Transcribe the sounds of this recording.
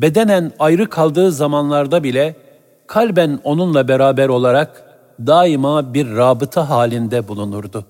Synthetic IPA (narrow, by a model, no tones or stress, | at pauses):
be̞d̪e̞nænajɾɯkʰalˠd̪ɯːzamanlˠaɾd̪abilʲɛ | kʰalʲbæno̞nunlˠabeɾaːbɛɾo̞lˠaɾak | d̪aːimabiɾːaːbɯt̪ʰaɦaːlʲind̪ɛbulˠunuɾd̪ʊ